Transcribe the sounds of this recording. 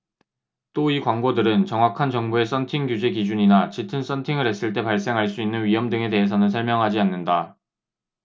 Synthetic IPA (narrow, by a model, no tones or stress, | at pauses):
t͈oikwaŋɡodɯɾɯnt͡ɕʌŋwakʰant͡ɕʌŋbue̞s͈ʌntʰiŋɡjud͡ʑe̞kid͡ʑuɲinat͡ɕitʰɯns͈ʌntʰiŋɯɾɦe̞s͈ɯɭt͈e̞paɭs͈e̞ŋɦaɭs͈uinːɯnɥiɦʌmdɯŋe̞te̞ɦesʰʌnɯnsʰʌɭmjʌŋɦad͡ʑianːɯnda